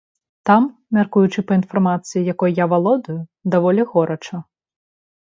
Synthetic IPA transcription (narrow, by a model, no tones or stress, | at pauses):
t̪ɑmmʲɐrkujʊt͡ʃɪpɔinfɐrmɑt͡sʲijijɐkɔjjaʋɐlˠɔd̪ʊjʊd̪ɐʋɔlʲixɔɾɔt͡ʃɐ